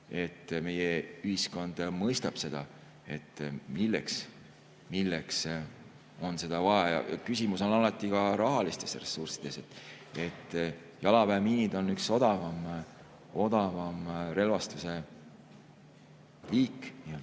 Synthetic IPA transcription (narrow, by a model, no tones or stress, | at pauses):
e̞t̪ːme̞jeyhisko̞nd̪̥mɤjst̪ɑb̥se̞d̪̥ɑ | e̞t̪ːmilːḛks | milːeks | o̞nse̞d̪̥ɑvɑejɑ̰kysimuso̞nɑlɑt̪ːˑikɑɾɑɦɑlist̪e̞sre̞sːursid̪̥e̞se̞t̪ːˑ | e̞t̪ː | jɑlɑpæːmiːnid̪̥o̞nːykso̞d̪̥ɑvɑm | o̞d̪̥ɑvɑmre̞lvɑst̪use̞ | liːkːˑnield̪